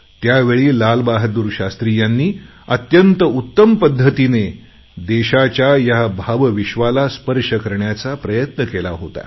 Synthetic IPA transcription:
t̪jaʋeɭiːlalbaɦd̪uɾɕast̪ɾijanːiː | ət̪jənt̪əut̪ːəmpəd̪ʱːət̪ine | d̪eɕat͡ɕjajabʱaʋʋiɕʋalaspəɾʂəkəɾɳjat͡sapɾəjət̪nəkelaɦot̪a̰

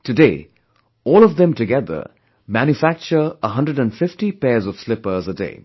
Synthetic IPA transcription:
tɨdeː | ɔːlɔvðɛ̃mtɨɡɛðə̰˞ | mæ̃njufæk̚t͡ʃə˞əɦʌ̃ndəɖə̃nfɪftipɛzɔv̥slɪpə˞zədḛː

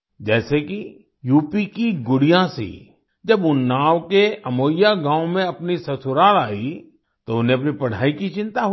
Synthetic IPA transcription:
d͡ʒɛːseki | juːpikiɡʊɽijãsḭ | d͡ʒɐbʊnːaːwkeɐmoːjjaɡãːʊ̃mẽɐpnisɐsʰʊɾaːlaːi | t̪oʊnɦẽɐpnipɐɽ̤aːikit͡ʃɪ̃nt̪aɦ

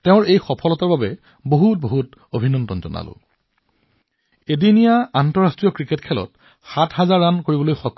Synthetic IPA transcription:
teʊ̃ɹejxɔpʰɔlɔtaɹbabɛ | boɦut̚boɦut | obʱinɔndɔnzɔ̰na̰lʊ̰̃ | edinijaantɔɹastɹijɔkɹiketkʰɛlɔ̰t̚ | xatʰɦazaɹːankoɹibɔlojxɔk

